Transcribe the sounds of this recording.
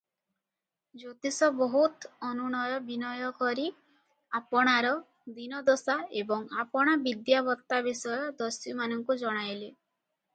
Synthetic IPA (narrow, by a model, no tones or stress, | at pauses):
d͡ʒot̪isɔbɔɦut̪ɔnuɽ̃ɔjɔbinɔjɔkɔɾi | apɔɽ̃aɾɔ | d̪inɔd̪osaebɔŋapɔɽ̃abid̪jabɔt̪ːabisɔjɔd̪ɔsɔmanɔŋkud͡ʒɔɽ̃ajle